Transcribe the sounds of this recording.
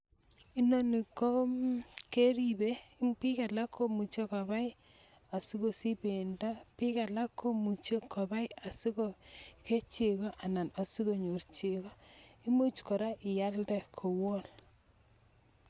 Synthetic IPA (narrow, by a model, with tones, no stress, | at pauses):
i˦no˦ni˨ko˦ke˦ɾibe˦pi˦ka˨la˦kʰːo˦mu˨t͡ʃe˦ka˨ba˦j | a˨si˦ko˨si˦be˨nda˦pi˦ka˨la˦kːo˦mu˨t͡ʃe˦kʰɔ˨ba˦ja˨si˦ko˦ke˦t͡ʃe˨ko˦ʔa˨na˨na˨si˦ko˨ɲo˨rt͡ʃe˨ko˦i˦mu˦t͡ʃko˨ɾa˦ʔɪ˨ja˦ldɛ˨kʰo˨wo˦l